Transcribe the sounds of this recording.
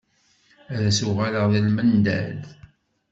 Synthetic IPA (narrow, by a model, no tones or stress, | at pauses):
æðæsuʁaləʁðilmənd̪æ̰l